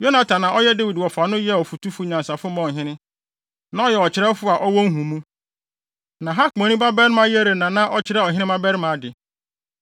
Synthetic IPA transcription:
jo˦nã˨tʰã˨nã˨ɔ˦jɛ˦de˦wi˨dwɔ˨fa˨nʊ̃˦jɛ˦˨ɔ˨fu˨tʰu˦fʊ˦ɲã˨nsa˨fʊ˦mɔ̃˨ɦɪ̃˦nɪ̃˦ | nã˨˦ɔ˦jɛ˨ɔ˨t͡ɕɪ˨ɾɛ˦fʊ˦a˨ʔɔ˦wɔ̃˦ŋ̩˦ɦũ˨mũ˦ | nã˨ɦa˦kɔ̃˨nĩ˦ba˦bɛ˦ɾɪ˦mã˦je˦ɾe˨nã˨nã˦ʔɔ˨t͡ɕʰɪ˨ɾɛ˦˨ɔ˨ɦɪ̃˦nɪ̃˦ba˦bɛ˦ɾmã˨˦dɪ˨

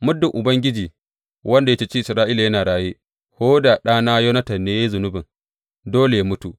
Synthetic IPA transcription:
mʊ˦dːʊ˨ŋʔʊ˨bɐ˦ŋɡʲɪ˦d͡ʒiː˨ | wʔɐ˦nda˨jɐ˦t͡ʃe˦t͡ʃiː˦ʔɪ˨sɾaː˦ʔiː˦la˨jɐ˦naː˨ɽaː˦jeː˦ | hoː˦da˨ɗaː˦naː˦jo˦nɐ˦tɐ˨rneː˦ja˦zʊ˨nʊ˦bɪ˨ŋ | doː˦le˨ja˦mʊ˦tu˨ʔ

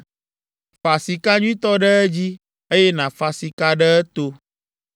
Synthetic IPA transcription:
fa˨si˨ka˦ɲũ˦ĩ˦t̪ɔ˦ɖə˦ɛ˦d͡ʑi˦ | e˦je˦nã˨fa˨si˨ka˦ɖə˦ɛ˦t̪o˦

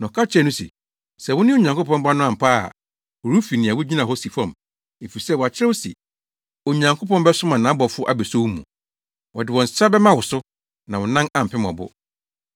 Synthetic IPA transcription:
nã˨kʰa˦t͡ɕʰɛ˦nʊ̃˦sḭ˨ | sɛ˨wʊ̃˦nɪ̃˦o˨ɲ˨ã˨ŋkʰʊ˦pʰɔ̃˦mba˦nʊ̃˦ã˨m̩˨pʰa̰ː˦˨ | wʊ˨ɾu˦fi˨nɪ̃˨a˨wʊ˦d͡ʑi˦nã˨ɦɔ˦si˨fɔ̃˦˨m | e˨fi˨sɛ˦˨wa˨t͡ɕʰɪ˦ɛ˦ʊ˦sḭ˨ | o˨ɲã˨ŋkʰo˦pɔ̃˦nbɛ˦sʊ˦mã˨nã˨˦bɔ˨fʊ˦ʔa̰˦bɛ˨so˦wu˦mṵ̃˨ | wɔ̰˨dɪ˨wɔ̃˨n˨sɾa˦bɛ˦mã˦wʊ˨sʊ˦ | nã˨wɔ˨nã˦nã˦m̩˨pʰɪ̃˦mɔ̰̃˨bʊ̰˦

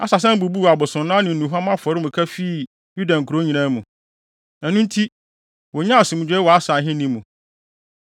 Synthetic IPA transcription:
a̰˨sa˨s̬ɛ̃˦m˦bu˨bu˦˨a˨bʊ˨sʊ̃˨nː˦ã˦nɪ̃˨n̩˨nũ˨ɦa˦mã˦fʊ˨ɔ˨˦ɾɪ˦mũ˨kʰa˦fi˦ | ju˦dã˨ŋ̩˨kʰu˨ɾo˦ɲĩ˨nã˦mũ˨ | ɛ˨nũ˦n˦tʰi˦ | wɔ˨ɲã˦˨sɪ˨mũ˨d͡ʑᶣɛ˦wɔ˨a˦sa˨ɦɪ̃˦nĩ˦mũ˨

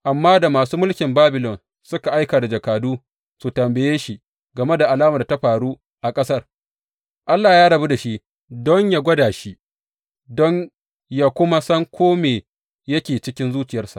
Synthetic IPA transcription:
ʔa˨mːaː˦da˨maː˨suː˦mʊ˦lkʲɪ˨mbaː˦bɪ˨lɔ˨n | sʊ˦ka˨ʔa˦jkaː˨da˨d͡ʒɐ˨kaː˨duː˦ | su˨tɐ˨mbɐ˨jeː˦ʃi˨ | ɡɐ˨me˦da˨ʔa˨laː˦ma˨da˨ta˦ɸaː˨ɽuː˦ | ʔa˨kʼɐ˦sɐ˦r | ʔa˦lːaː˨jaː˦ɽɐ˨bu˦da˨ʃi˦ | dɔ˦ɲjaː˦ɡʷɐ˦daː˨ʃi˦ | dɔ˦ɲ | ja˦kʷʊ˦ma˦sɐ˦ŋkʷʰoː˦meː˨ | jɐ˦kʲeː˨t͡ʃɪ˦kʲɪ˦nzuː˦t͡ʃɪ˨jɐ˦rsa̰˨ʔ

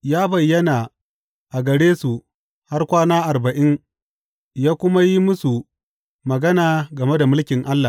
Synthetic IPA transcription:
jaː˦bɐ˨jːɐ˦na˨ | ʔa˨ɡɐ˨ɽeː˦su˨ | ha˦rkʷaː˦naː˦ʔa˨rbɐ˨ʔɪ˦ŋ | jaː˦kʷʊ˦ma˦ji˦mʊ˦su˨ | mɐ˨ɡɐ˦naː˨ɡɐ˨me˦da˨mʊ˦lkʲɪ˨ŋʔa˦lːa˨

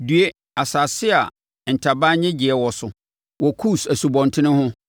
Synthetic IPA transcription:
dɥe˦ | a˨sa˨sɪ˦a˨ | n̩˨tʰa˨baː˦ɲɛ̃˦d͡ʑɪ˨ɛ˨wɔ˨sʊ˨ | wɔ˨kʰu˦˨sæ˨su˨bɔ̃˨ntʰɪ˦nɪ̃˦hʊ̃˦

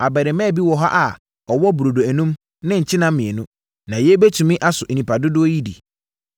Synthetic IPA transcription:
a˨bɛ˨ɾɪ˨mɛ̃ː˦˨bi˦wɔ˨ɦa˦ʔa˨ | ɔ˨wɔ˦bu˨ɾo˨do˨æ˨nũ˦m | nɪ̃˦ɲ̩˨t͡ɕʰɪ˦nã˦m̩˦mɪ̃˨e˨nʊ̃˦ | nã˨jɛ˦be˦tʰũ˨mɪ̃˦ʔa˦sʊ˨ʔnĩ˨pʰa˨dʊ˦dʊ˦o˦ji˦dḭ˨

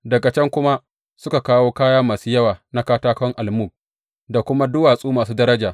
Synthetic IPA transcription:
dɐ˨ɡɐ˨t͡ʃɛ˦ŋkʷʊ˦ma˦ | sʊ˦ka˨kaː˦woː˦kaː˦jaː˦maː˨suː˦jɐ˦waː˨na˦kaː˦taː˦kɔ˦ŋʔa˨lmu˦˨k̚ | da˨kʷʊ˦ma˦dʊ˦waː˨sʼuː˦maː˨s̬uː˦dɐ˦ɾɐ˦d͡ʒaː˨

